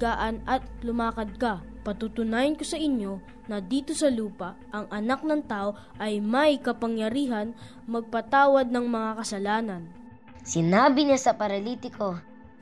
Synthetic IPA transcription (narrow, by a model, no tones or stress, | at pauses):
aːʔɐnɐt̪lʊmaːkɐd̪̚kɐpɐt̪ut̪ʊnaːjɐnko̞sɐʔɪɲjo̞ | nɐd̪iːt̪o̞sɐluːpɐ | ʔɐŋʔɐnak̚nɐŋt̪aːʔo̞ | ʔɐjmɐjkɐpɐŋjɐɾiːɦɐn | mɐɡ̚pɐt̪aːwɐd̪̚nɐŋmɐŋakɐsɐlaːnɐn | sɪnaːbɪɲasɐpɐɾɐlit̪ɪkʰo